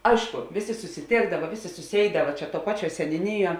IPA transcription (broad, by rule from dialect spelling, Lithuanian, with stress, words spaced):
ˈɐɪʃkʊ ˈʋʲeːˌsʲeː sʊsʲɪˈtʲeːɡdɐʋɐ ˈʋʲeːˌsʲeː sʊˈsʲeːɪdɐʋɐ t͡ʃʲɛ tuɔ ˈpɑːˌt͡ʃʲuɔ sʲɛnʲʊˈnʲɪˌjuɔ